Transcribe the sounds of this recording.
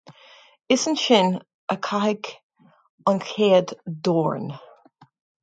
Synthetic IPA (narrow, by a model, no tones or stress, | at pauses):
ɪsənʃɪn | əkʰahɪɡ | ɔnkʰeːd̪dɔːɹn